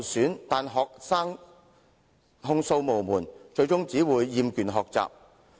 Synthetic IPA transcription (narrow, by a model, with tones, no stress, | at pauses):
syː˨˥nt̪aː˨nɦɔː˨k̚saː˥ŋ | ɦʊ˧ŋso˧wmo˨˩wmuː˨˩nt͡ʃɵ˧ɥt͡ʃʊ˥ŋt͡siː˨˥wuː˨˧jːiː˨˧mkyː˨˩nɦɔː˨k̚t͡sa̰ː˨p̚